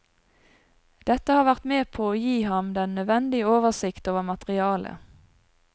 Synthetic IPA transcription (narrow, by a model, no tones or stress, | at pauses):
d̪̥ɛt̪əhɑːʁʋæʁt̪meːpʰoːoːjiːhɑmd̪ɛnːœʋɛnd̪ɪəoːʋəʁsɪkt̪oːʋəʁmɑt̪ʁɪɑːlə̰